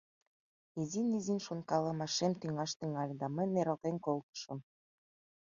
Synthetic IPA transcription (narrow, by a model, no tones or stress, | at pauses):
izinizinʃonkɑlɤ̆mɑʃemt̪yŋɑʃt̪iŋɑlʲd̪ɑməjnːeɾə̆lt̪enkolt̪ə̥ʃə̆m